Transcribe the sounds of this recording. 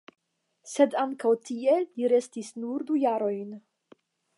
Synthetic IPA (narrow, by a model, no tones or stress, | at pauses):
se̞daŋkawtie̞liɾe̞stisnuɾdujaɾo̞jn